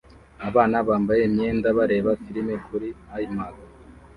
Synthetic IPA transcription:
aβaːnaβaːmbajemɲe̞ːndaβaɾe̞ːβafiɾimekuɾiajimaɡa

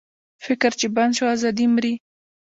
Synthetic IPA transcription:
fɪkɾt͡ʃeband̪ʃoazɑd̪imɾi

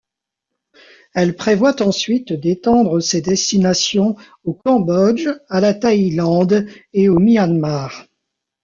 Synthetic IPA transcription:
ɛlpχevwat̪ɑ̃sɥit̪d̪et̪ɑ̃d̪ʁəsed̪ɛst̪inasjɔ̃ | okɑ̃bɔd͡ʒalat̪ailɑ̃d̪eomianmaːʁ

